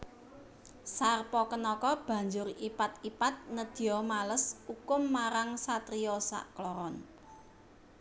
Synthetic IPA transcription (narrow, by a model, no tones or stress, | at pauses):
sarpɔkənɔkɔb̥ä̤ɲd͡ʒʊripat̪ipat̪̚nəd̪̥i̤jɔmaləsukʊmːaɾaŋsat̪ɾijɔsa̰ʔklɔɾɔn